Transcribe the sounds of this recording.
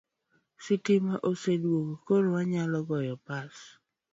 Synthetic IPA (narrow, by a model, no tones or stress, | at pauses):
sɪtimaʔosedwoɡkoɾwaɲalɔɡɔjɔpas